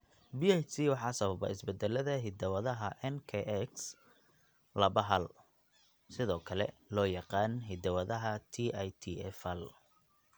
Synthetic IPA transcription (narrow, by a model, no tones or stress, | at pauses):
biɛt͡ʃiwɑħɑːsɐβɐβɐ̰ɪsbɛd̪ɛlɐðɐɦɪd̪ɐwɐðɐɦɐʔɛnkʰɛʔɛks | lɐβɐɦɐl | sɪðɔːkʰɐlɛlɔːjɑqɑːnɦɪd̪ɐwɐðɐɦɐt̪ʰiʔajt̪ʰiɛfɐl